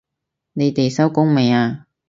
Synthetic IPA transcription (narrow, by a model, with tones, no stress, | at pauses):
ne˨˧jt̪e˨jsɐ˥wkʊ˥ŋme˨˩jaː˧